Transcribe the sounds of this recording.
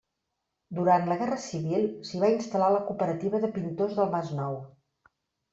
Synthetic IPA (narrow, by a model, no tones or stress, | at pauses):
d̪uɾant̪ləɣ̞ɛrəsiβilˠsiβainst̪əlaləkupəɾət̪iβəðəpint̪ozðəlˠmaznɔw